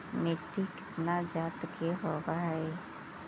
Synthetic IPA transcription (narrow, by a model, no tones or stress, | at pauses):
meʈːikɪt̪nad͡ʒaːt̪keɦobaɦɛ